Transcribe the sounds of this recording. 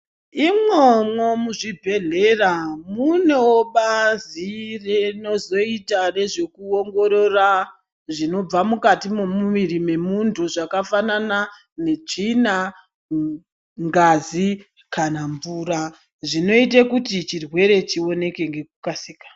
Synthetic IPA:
imwemwomuʐibʱe̞ɮe̞ramune̞woɓazireno̞zo̞itare̞ʐe̞kuoŋɡo̞ɾo̞ra | ʐino̞b͡vamukatimomuʋiɾime̞muntʰuʐakafanana | ne̞t͡ʂina | ŋɡazi | kanaɱvuːɾa | ʐino̞itakutit͡ʃirwe̞ɾe̞t͡ʃio̞ne̞ke̞ŋɡe̞kukasiːkḁ

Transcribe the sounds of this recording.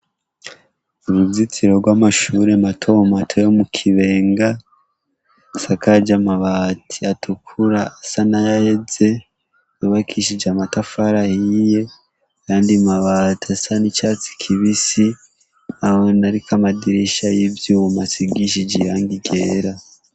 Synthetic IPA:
uɾuvzit͡siɾo̞ɾɡwaːmaʃuːɾematʰo̞matʰojomukʰiβe̞ːŋɡa | sakad͡ʒamaβatʰiatʰukʰuɾaːsanajahed͡ze̞ | juβakʰiʃid͡ʒamatafaɾahije̞ | kaːndimaβatasanit͡ʃaːt͡si̥kʰiβisi | ahonaɾikamadiɾiʃajivjuːmasiɡiʃid͡ʒejaːŋɡiɡe̞ːɾa

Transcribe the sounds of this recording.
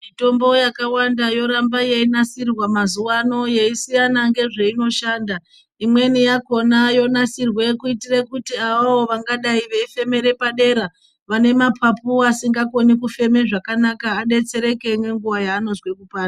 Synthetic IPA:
mito̞mbo̞jakawandajo̞ɾambaje̞inasirwamazuwano̞je̞isijanaŋɡe̞ʐeino̞ʃaːnda | imwe̞nijako̞najo̞nasirwe̞kuitirekutiaʋaʋoʋaŋɡaɗaiʋeife̞me̞ɾe̞paɗe̞ɾa | ʋane̞mapʰapuasiŋɡako̞nikufe̞me̞ʐakanakaːɗe̞t͡se̞ɾe̞ke̞ŋɡe̞ŋɡuʋajaːno̞zwekupaːa

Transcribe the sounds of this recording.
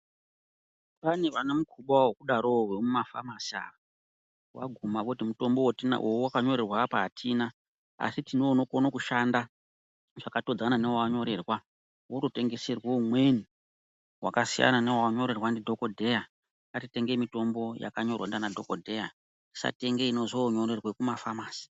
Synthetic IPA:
paneʋanamukʰuɓawokuɗaɾowemumafa̰masa̰ | wa̰ɡʱumakutimuto̞mbowtina̰ʔowuwakaɲo̞ɾe̞rwapaːtʰiːna | a̰sitinono̞konokuʃanda | ʐ̥akato̞d͡zananewawaɲo̞ɾe̞rwa | woɾote̞ŋɡe̞serwoumwe̞ni | wakasija̰nanewawaɲo̞ɾe̞rwandidʱo̞kodʱe̞ja | katite̞ŋɡe̞mito̞mbo̞ja̰kaɲo̞rwandanadʱo̞kodʱe̞ja | i̥sa̰te̞ŋɡeino̞zoɲo̞ɾerwekumafamaːsi̥

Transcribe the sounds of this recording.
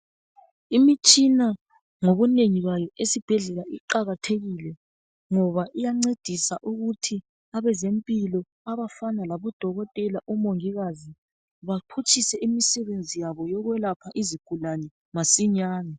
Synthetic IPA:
imit͡ʃʼina | ŋoβuneŋiβajɔʔesib̥ʱɛɮɛlaiǃaɣatʰeɣilɛ | ŋɔβaʔijaŋ͡ǀed̥ʱisaʔuɣutʰi | aβɛzempʼilɔ | aβafanalaβɔd̥ʱɔɣɔtʼɛlaʔɔmoŋiɣazi | βapʰut͡ʃʼisɛʔimisɛβend͡zʱijaβɔjɔɣwɛlapʰaʔiziɡ̥ʱulanɛ | masiɲaːna

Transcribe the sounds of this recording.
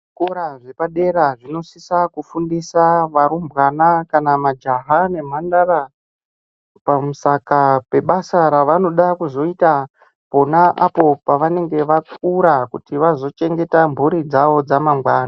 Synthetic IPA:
ʐko̞ɾaʐe̞paɗe̞ɾaʐino̞sisakufundisaʋaɾumbɣanakanamad͡ʒaɦane̞m̤andaɾa | pamusakape̞ɓasaɾaʋano̞ɗakuzo̞ita | po̞naʔapo̞paʋane̞ŋɡe̞ʋakuɾakutiʋazo̞t͡ʃe̞ŋɡe̞tambʱuɾid͡zaʋo̞d͡zamamɡwaːna

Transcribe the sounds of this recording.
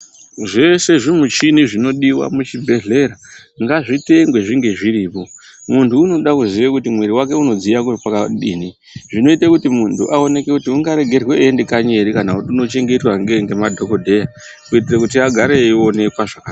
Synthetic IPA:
ʐe̞se̞ʐimut͡ʃiniʐino̞ɗiwa̰mut͡ʃibʱe̞ɮe̞ɾa | ŋɡaʐiteŋɡwe̞ʐiŋɡe̞ʐiɾiːpo̞ | muntʰuːno̞ɗakuziʋekutimweɾiwake̞uno̞d͡zijakupakaɗiːni | ʐino̞itekutimuntʰuʔao̞ne̞kekutiuŋɡaɾe̞ɡʱe̞rweendekaɲe̞ɾikanautuno̞t͡ʃe̞ŋɡe̞twaŋɡeŋɡe̞madʱo̞ko̞dʱe̞ja | kuitirakutiaɡʱaɾeiwo̞ne̞kwaʐaka

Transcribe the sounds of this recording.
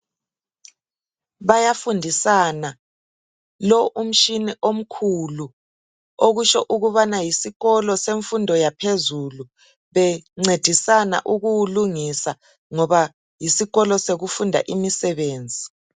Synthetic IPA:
βajafundʱisana | lɔʔum̩ʃiniʔom̩kʰulu | oɣuʃɔʔuɣuβanajisiɣɔlɔseɱfundʱɔjapʰezulu | βɛŋ͡ǀed̥ʱisana̰ʔuɣuluŋisa | ŋɔβa | jisiɣɔlɔseɣufundʱa̰ʔimisɛβeːnd͡zʱi

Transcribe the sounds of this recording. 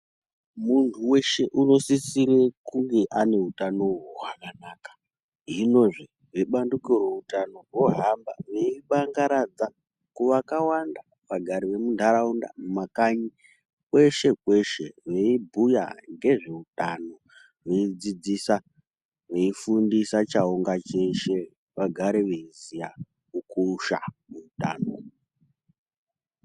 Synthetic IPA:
muntʰuwe̞ʃe̞ʔuno̞sisiɾe̞kuŋɡe̞ʔane̞utanowuwakanaːkḁ | ɦino̞ʐe | ʋeɓandukorweutano̞roɦamba̰ʋe̞iɓaŋɡaɾad͡za | kuʋakawanda | ʋaɡʱaɾiʋe̞mundʱaɾaunda̰mumakaɲi | kwe̞ʃe̞kwe̞ʃeʋe̞ibʱuja̰ŋɡe̞ʐe̞utano̞ | ʋe̞id͡zid͡zisa | ʋe̞ifundisat͡ʃaoŋɡat͡ʃe̞ʃe̞ | ʋaɡʱaɾeʋeizija | ukuuʃa̰muuta̰ːno

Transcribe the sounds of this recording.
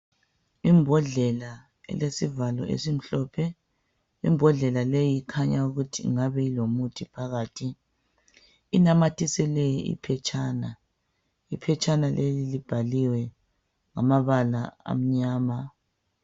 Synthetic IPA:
imbʱɔɮɛla | ɛ̰lesivalɔ̰ḛsim̩ɬɔːpʰɛ | ḭmbʱɔɮɛlalejiikʰaɲauɣutʰḭŋaβɛilomutʰipʰaɣaːtʰi | inamatʰʼisɛlɛjḭpʰɛt͡ʃʼʰaːna | ipʰɛt͡ʃʼanalʔelilib̥ʱaliwɛ | ŋamaβalaa̰m̩ɲaːma

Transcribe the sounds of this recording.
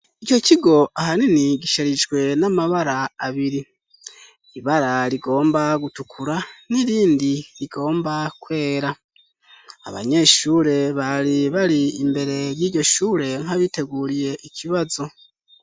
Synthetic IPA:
ico̞ciɡo̞ʔaɦaniniɟiʃaɾid͡ʒɡwe̞namaβaɾaːβiɾi | iβaɾaɾiɡo̞ːmbaɡutukʰuɾaniɾiːndiɾiɡo̞ːmbakwe̞ːɾa | a̰βa̰ɲe̞ʃuɾe̞βaɾiβaɾiːmbe̞ɾe̞ɾjiːɟo̞ʃuːɾe̞ŋ̥haβite̞ɡuːɾije̞ʔikʰiβazo̞

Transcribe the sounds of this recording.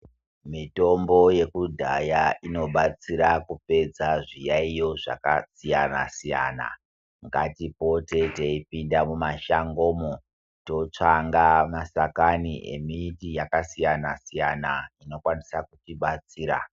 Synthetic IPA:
mito̞mbo̞je̞kudʱajaino̞ɓat͡siɾakupe̞d͡zaʐijaijo̞ʐa̰kasijana̰sija̰na̰ | ŋɡatipo̞te̞teipindamumaʃaŋɡo̞ːmo | to̞t͡ʂaŋɡamasakanḭʔḛmiːtijakasijanasijanaino̞kwanisakutiɓat͡siːɾa̰

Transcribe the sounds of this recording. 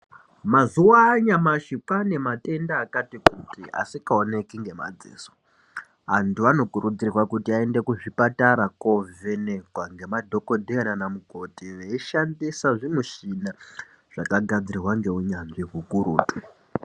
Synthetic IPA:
mazuwaːɲamaʃipane̞mate̞ndaːkatikutia̰sikaone̞kiŋɡe̞ma̰d͡zḛːso̥ | antuano̞kuɾud͡zirwakutiae̞nde̞kuʐipataɾako̞vene̞kwaŋɡe̞madʱo̞ko̞dʱeananamuko̞tiʋeiʃandisaʐimuʃina | ʐ̥akaɡʱad͡ziɾirwaŋɡe̞uɲanʐiɦukuɾṵːtu

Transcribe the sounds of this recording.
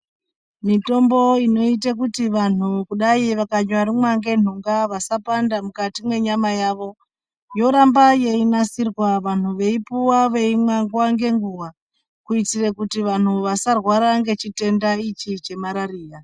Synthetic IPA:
mito̞mbo̞ino̞itak̬utiʋan̤ukuɗaiʋakaɲwaɾimwaŋɡe̞n̤uŋɡaʋasapandamukatimwe̞ɲamajaʋo̞ | jo̞ɾambaje̞inasirwaʋan̤uʋe̞ipuwaʋe̞imwaŋɡwaŋɡe̞ŋɡuwa | kuit͡sire̞kutiʋan̤uʋasarwaɾaŋɡe̞t͡ʃite̞ndait͡ʃit͡ʃe̞maɾariːra

